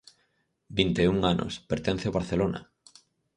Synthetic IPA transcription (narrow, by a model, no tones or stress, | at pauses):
bint̪euŋanʔo̰speɾt̪ɛn̟θeoβaɾθelona̰